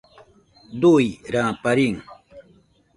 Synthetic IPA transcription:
d̪ujɾãpaɾiŋ

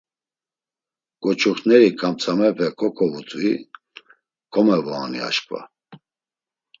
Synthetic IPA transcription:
ɡ̥ɔt͡ʃʰuχnɛɾikʰʼamt͡sʰʼamɛpʰɛkʰɔkʰɔvut̪ʼui | kʰɔmɛvaːnḭa̰ʃkʼva̰

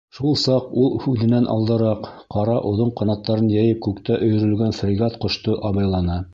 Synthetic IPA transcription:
ʃulˠsɑqulˠhʉðɘ̆nænʔɑ̰lˠd̪ɤ̆ɾɑq | qɑɾɑʔŏðoɴqɑnɑt̪ːɑɾɤnjæjɘp̚kʉkt̪æʔɵ̆jɵ̆ɾɵ̆lɡænfrʲɪɡɑt̪qŏʃt̪oʔɑβɑjlˠɑnɑ

